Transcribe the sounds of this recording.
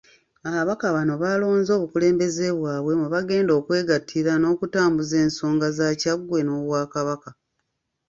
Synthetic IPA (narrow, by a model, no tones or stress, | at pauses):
aβaβakaβano̞βalo̞ːnzo̞ːβukule̞ːmbe̞ze̞βwaːβwe̞muβaɡe̞ːndo̞ːkwe̞ːɡatʰːiɾano̞ːkutaːmbuze̞ːnso̞ːŋɡazacaɡːwe̞no̞ːβwaːkaβaka